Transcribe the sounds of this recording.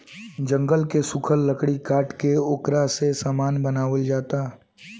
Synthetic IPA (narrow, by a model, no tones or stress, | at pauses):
d͡ʒə̃ŋɡəlkesʊkʰəlːəkɽikaːʈkeʊkɾasesaːmaːnbənaːʋəld͡ʒaːt̪aː